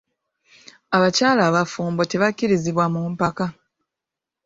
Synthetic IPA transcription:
aβacaːlaːβafuːmbo̞te̞βacːiɾiziβwamumpaka

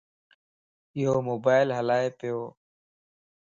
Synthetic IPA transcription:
ɪɦoːmoːbaːɪlɦəlaːeːpɪjoː

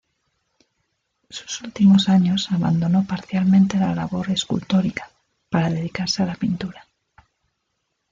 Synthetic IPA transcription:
su̥sult̪imo̞saɲo̞saβa̰nd̪ono̞paɾθjalmẽnt̪e̞lalaβo̞ɾe̞skṵlt̪o̞ɾikḁ | paɾað̞e̞ðikaɾsealapint̪uɾa

